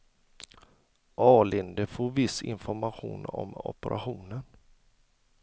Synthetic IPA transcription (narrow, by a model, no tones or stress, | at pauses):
ʔɑːlɪnd̪əfoːɾvɪsɪ̰nfɔɾmaɧṵːnɔ̰mɔ̰pəɾʔa̰ɧuːnən